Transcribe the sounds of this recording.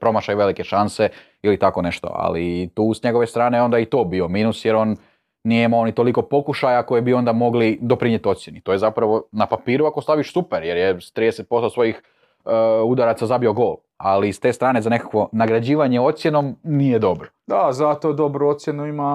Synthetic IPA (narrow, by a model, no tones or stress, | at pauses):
pɾo̞maʃajuʋe̞like̞ʃanse̞ | ilit̪ako̞ne̞ʃt̪o̞̰a̰lḭt̪uːsɲe̞ɡo̞ʋe̞st̪ɾaːne̞o̞nd̪ajit̪o̞ːbio̞miːnusjeɾonː | ijeimaonit̪o̞liko̞po̞kuʃajako̞jebio̞nd̪amo̞ɡlid̪o̞pɾiɲet̪io̞t̪sjenit̪ojezapɾaʋo̞napapiːɾuako̞st̪aʋiʃsupeɾjeɾjest̪ɾiːd̪eset̪̚po̞st̪osʋo̞jix | ud̪aɾat̪azabio̞ɡo̞ːlˠ | alist̪e̞ːst̪ɾaːnezanekakʋo̞naɡɾad͡ʑiːʋaɲeo̞t̪sjeno̞mnijed̪o̞bɾod̪azat̪od̪obɾuot̪sʲjenuima